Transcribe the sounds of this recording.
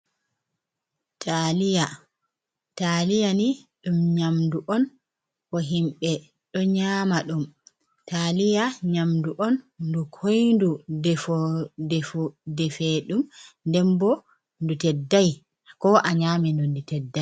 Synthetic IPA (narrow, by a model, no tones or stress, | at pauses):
tʰalija | talijaniɗumɲamduʔɔn | kɔɦimɓɛ | ɗɔɲaːmaɗum | talijaɲamduʔɔndukʰojndudɛfɔdɛfudɛfeɗumndɛmbɔ | ndutɛdːaj | kɔʔaɲaːmɛndunditɛdːaj